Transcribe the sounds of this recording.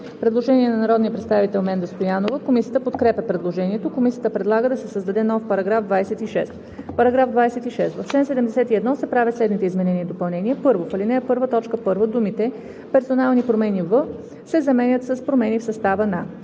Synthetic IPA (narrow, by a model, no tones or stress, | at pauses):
fpɾɛd̪lˠoʒɛniɛnɐnɐɾɔd̪nijəpɾɛt̪st̪avit̪ɛlˠmɛnd̪əst̪ojanovəkomisijət̪əpot̪kɾɛpʲɛpɾɛd̪lˠoʒɛniɛt̪okomisijət̪əpɾɛd̪lˠaɡəd̪ɐsɛsəzd̪ɐd̪ɛnɔfpɐɾɐɡɾavd̪vajsɛt̪iʃɛst̪ | pɐɾɐɡɾavd̪vajsɛt̪iʃɛst̪vɐft͡ʃlɛnsɛd̪ɛmd̪ɛsɛt̪iɛd̪nɔsɛpɾavʲət̪slɛd̪nit̪ɛizmɛnɛniːd̪opɐlˠnɛniɛpɤɾvofəlʲinɛəpɤɾvət̪ɔt͡ʃkəpɤɾvəd̪umit̪ɛ | pɛɾsonalˠnipɾomɛnivə | sɛzɐmɛnʲət̪səspɾomɛnifsɐst̪avəna